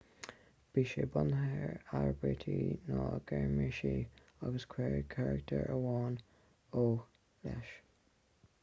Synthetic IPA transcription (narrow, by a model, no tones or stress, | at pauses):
b̥iːʃebʊnhɛɹaɹbet̪ʰinɑːɡ̥ɛɹmɪʃi | ʌɡəskʰwɛːɹkʰaɹək̚tʰəɹəwɑːn | oːx | lɛʃ